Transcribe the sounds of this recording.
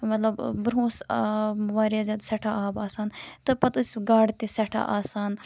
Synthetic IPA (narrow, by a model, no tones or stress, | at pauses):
mɐt̪lɐbbɾõːs | ʋaːɾjaːzaːd̪sɐʈʰaaːbaːsaːnt̪ɨpɐt̪ɨsɡaːɽt̪isɐʈʰa̰ʔaːsaːn